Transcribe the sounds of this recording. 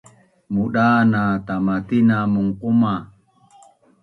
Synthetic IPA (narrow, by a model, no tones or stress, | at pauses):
muɗanat̪amat̪inamuŋquma